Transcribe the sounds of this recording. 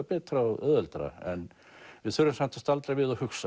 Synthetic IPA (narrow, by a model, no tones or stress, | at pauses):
pɛːt̪ɾaœːðœlt̪ɾa̰ɛ̰n | vɪðθœɾʏmsam̥t̪ʰast̪alt̪ɾajvɪðahʏksa